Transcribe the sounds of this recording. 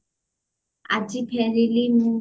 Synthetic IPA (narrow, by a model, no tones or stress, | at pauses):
a̰d͡ʒipʰɛɾelenũ